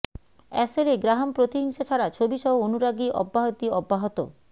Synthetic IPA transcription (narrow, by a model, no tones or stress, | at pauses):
ɛ̰seɾeɡɾaɦompɾot̪iɦiŋʃat͡ɕʰaɾat͡ɕʰobiʃɔɦoonuɾaɡiʔɔ̰bːaɦot̪iɔbːaɦot̪o̰